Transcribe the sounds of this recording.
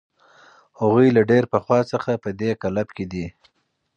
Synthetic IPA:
haɣujlaɖeɾpəxwɑt͡səxapəd̪ekalabked̪i

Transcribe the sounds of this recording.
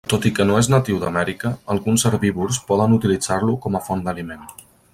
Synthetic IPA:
t̪ot̪ikənoeznət̪iwd̪əmɛɾikəːlˠɣunsəɾβiβuɾspɔðənut̪ilid͡zaɾlukɔməfɔnd̪əlimen

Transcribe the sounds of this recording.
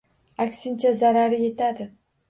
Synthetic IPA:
akʲsɪnt͡ʃʰazaɾaɾɪje̞t̪ad̪ɪ

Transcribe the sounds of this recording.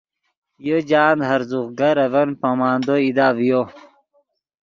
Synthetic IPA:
jod͡ʑaːnd̪ɦɐɾzuχɡɐɾɐvɐnpamaːnd̪oid̪aːvjo

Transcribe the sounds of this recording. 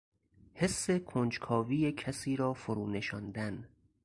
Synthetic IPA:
he̞sːe̞kʰond͡ʒkʰɒːviːjecʰæsiːɾɒːfoɾuːne̞ʃɒnd̪æn

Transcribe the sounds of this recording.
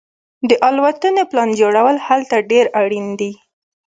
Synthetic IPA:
d̪əʔɑlwat̪əneplɑnd͡ʒoɽawəlhalt̪aɖeɾaɽind̪i

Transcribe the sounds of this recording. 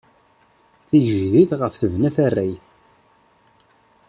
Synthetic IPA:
θijʒðiθʁəfθəvnæθærːæjθ

